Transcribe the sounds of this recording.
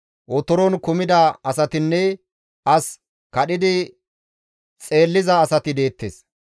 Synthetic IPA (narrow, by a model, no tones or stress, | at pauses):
ʔɔt̪ɔɾɔnkʊmɪd̪ɐɐsɐt̪ɪnːɛ | ʔɐs | kɐɗɪd̪ɪ | t͡sʼe̞ːlːɪzɐːsɐt̪ɪd̪e̞ːt̪ːḛːs